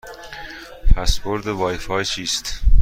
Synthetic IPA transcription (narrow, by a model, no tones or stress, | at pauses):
pʰæsboɾd̪evɒːjfɒːjt͡ʃʰiːst̪